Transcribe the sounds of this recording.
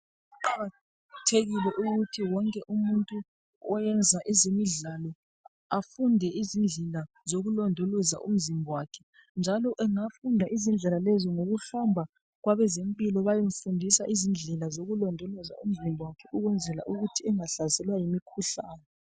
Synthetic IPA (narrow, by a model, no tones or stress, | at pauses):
ǃʰa | tʰeɣilɛʔuɣutʰiwɔŋkʼɛʔumuntʼu | ɔjɛnd͡zʱaʔizemiɮalɔ | afundʱɛʔizind͡ɮʱɛla | zoɣulɔndʱoloza̰ʔṵm̩zimbʱɔwaːkʰɛ̥ | nd͡ʒʱalɔʔɛŋafundʱaʔizind͡ɮʱɛlalɛzɔŋoɣuhambʱa | ɣwaβɛzempʼilɔβajeɱ̩fundʱisaʔizind͡ɮʱɛlazoɣulɔndʱɔlɔza̰um̩zimbʱɔwakʰɛʔuɣwɛnd͡zʱɛla̰ʔuɣutʰiɛŋaɬazɛlwajimikʰuɬaːnɛ